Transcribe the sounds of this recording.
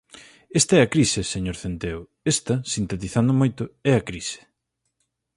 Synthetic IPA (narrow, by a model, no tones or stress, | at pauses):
est̪ɐɛɐkɾiseseɲoɾθent̪eo | est̪ɐsint̪et̪iθand̪ʊmojt̪ʊɛɐkɾise̥